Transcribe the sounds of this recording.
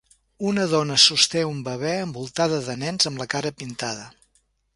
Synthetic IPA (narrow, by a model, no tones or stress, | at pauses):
unəðɔnəsust̪eumbəβɛəmbulˠt̪aðəðənɛnzəmləkaɾəpint̪aðə